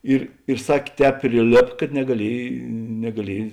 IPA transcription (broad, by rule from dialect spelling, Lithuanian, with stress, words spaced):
ˈɪr ɪr ˈsɑːkʲeː ˈtʲɛːp pʲrʲɪˈlʲeːp kɐt nʲɛɡɐˈlʲiɛj nʲɛɡɐˈlʲiɛj